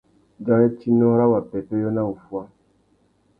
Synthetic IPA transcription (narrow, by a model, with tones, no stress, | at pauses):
d͡ʒa˦nɛ˦ti˦nɔ̃˦ɾa˦wa˨pɛ˨to˦jo˦na˦u˨fu˦a˦